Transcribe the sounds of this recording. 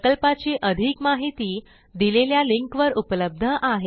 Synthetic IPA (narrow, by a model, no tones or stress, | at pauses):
kəlpat͡ɕiʔəd̪ʱikmaɦit̪iː | d̪ileljaliŋkʋəɾupləb̚d̪ʱəʔaɦe